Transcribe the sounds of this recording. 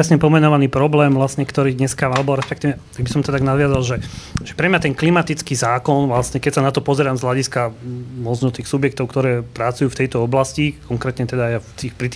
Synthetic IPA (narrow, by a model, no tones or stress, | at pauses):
ɾɛsɲɛpɔmɛnɔʋaniːpɾɔblɛːmʋlasɲɛkt̪ɔɾiːd̪ɲɛskaalɛbɔɾɛspɛkt̪iːʋɛt̪aɡ̚bisɔmt̪ɔt̪aɡnad̪ʋɪazalʒɛʒɛpɾɛmɲat̪ɛnklimat̪it͡skiːzaːkɔnʋlasɲɛkɛcsanat̪ɔpɔzɛɾaːmzɦlaɟiskamɔd͡ʒnɔt̪iːxsubjɛk̚t̪ɔʊkt̪ɔɾɛːpɾat͡sujuːft̪ɛjt̪ɔɔblascikʰɔŋkɾɛːt̪ɲɛt̪ɛd̪ajaft̪iːxpɾit̪